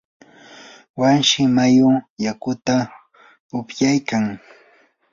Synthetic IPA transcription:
wanʃɪmajʊjakʊt̪a | ʊpjajkaŋ

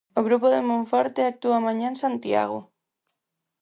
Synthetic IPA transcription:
oɣɾupoðemõɱfɔɾt̪eak̚t̪uamãɲãnsant̪ja̰ɣo̰

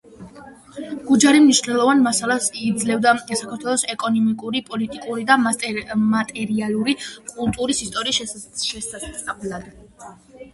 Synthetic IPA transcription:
ɡ̥ud͡ʒaɾimniʃnɛlˠɔvanmasalˠasːd̪zlɛvd̪asakʰaɾt̪ʰwɛlˠɔsɛkʼɔnɔmikʼuɾipʼɔlit̪ʼikʼuɾid̪a | mat̪ʼɛɾialˠuɾikʼulˠt̪ʼuɾisist̪ʼɔɾiːsʃɛsʼvblad̪̥

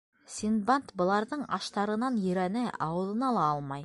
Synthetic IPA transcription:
sʲinbant̪bɤ̆lˠɑɾðɤɴɑ̰ʃt̪ɑɾɤ̆nɑnjɵ̆ɾænɘʔɑ̰wɤ̆ðˠɤ̆nɑlˠɑɑlˠmɑj

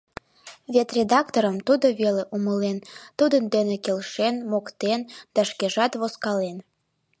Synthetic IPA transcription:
vet̪rʲed̪ɑkt̪oɾəmt̪ud̪oβeleʔuməlent̪ud̪ənd̪enekelʃenmokt̪end̪̥ɑʃkeʒɑt̪βoskɑlen

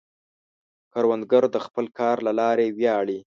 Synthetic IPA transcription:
kɑɾwand̪ɡəɾd̪əxpəlkʰɑɾlalɑɾewjɑɽi

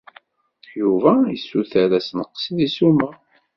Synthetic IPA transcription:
juvæjəsːuθæɾæsənəqːsiðisuma

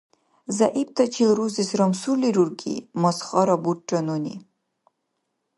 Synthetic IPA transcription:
zaʔib̚t̪at͡ʃilɾuzisɾamsuɾliɾuɾɡḭmasχɑɾabuʈːanonḭ

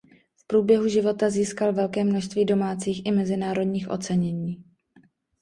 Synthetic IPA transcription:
fpɾuːbjɛɦuʒɪvo̞t̪aziːskalvɛlkɛːmnoʃst̪viːdo̞maːt͡siːxʔɪmɛzɪnaːɾo̞dɲiːxʔo̞̰t͡sɛɲɛɲiː

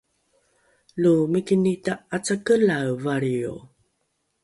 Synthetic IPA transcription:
lumikinitaat͡sakəlawvaɭiṵ

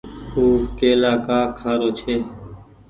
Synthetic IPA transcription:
uːkeːlaːkaːkʰaːɾoːt͡ʃʰeː

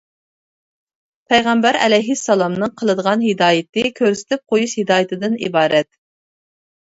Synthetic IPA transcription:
pʰɛjʁæmbæɾɛ̰lɛjɦisːɑlˠɑmnɨŋqʰəlˠɨd̪əʁɑnɦɪd̪ɑːjɪt̪ɨkʲʰøɾsɪ̥t̪ʰɪp̚qʰojuʃhid̪ɑːjɪt̪ʰɨd̪ɨnḭbɑːɾɛt̪

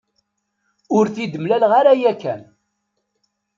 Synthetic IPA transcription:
ʊɾθid̪əmlælʁaɾajækːæ̰n

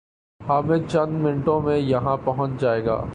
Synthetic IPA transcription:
haːmɪd̪̚t͡ʃɐnmɪɳʈõmẽjɐɦãpɐɦə̃t͡ʃd͡ʒaːeːɡa̰ː

